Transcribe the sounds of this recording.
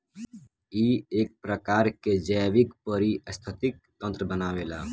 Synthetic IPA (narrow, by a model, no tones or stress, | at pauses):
iːeːk̚pɾəkaːɾked͡ʒəjʋɪkpəɾiəst̪ʰət̪ɪk̚ | t̪ə̃nt̪ɾəbənaːʋelaː